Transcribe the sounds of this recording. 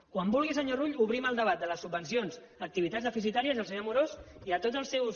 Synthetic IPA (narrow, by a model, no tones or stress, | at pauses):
kwambulˠɣisəɲoruʎuβɾiməlˠd̪əβ̞at̪̚d̪ələsubənsionz | ək̚t̪iβit̪adzðəfis̬it̪aɾiəzəlˠsəɲomuɾoziət̪ot̪əlˠsɛwz